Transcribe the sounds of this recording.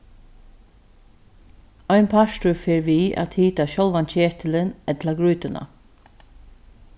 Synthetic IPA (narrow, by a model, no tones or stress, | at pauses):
ɔʏnpʰaʃtʊfeːɹʋiːʔa̰ːt̪hiːt̪aʃɔlʋant͡ʃeːt̪ʰɪlɪnɛt̪laɡɹʉːt̪ənʔə̰